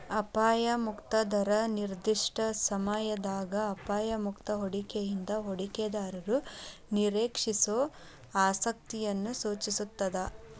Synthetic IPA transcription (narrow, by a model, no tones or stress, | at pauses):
ɐpaːjɐmukt̪ɐd̪ʱɐɾɐniɾd̪iʂʈɐsɐmɐjɐd̪aːɡɐːpaːjɐmukt̪ɐɦoɽikejind̪ɐɦoɽiked̪aːɾɐɾuniɾeːkʂisoː | aːsɐk̚t̪ijɐnːusuːt͡ʃisut̪ːɐd̪ɐ